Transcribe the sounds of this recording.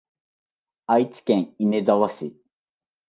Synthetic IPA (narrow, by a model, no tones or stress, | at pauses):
ait͡sɨ̥kʲẽŋinezaβaɕi